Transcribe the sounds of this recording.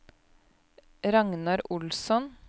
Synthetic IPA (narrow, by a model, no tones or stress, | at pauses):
ɾɑŋnɑɾʔʊlsɔn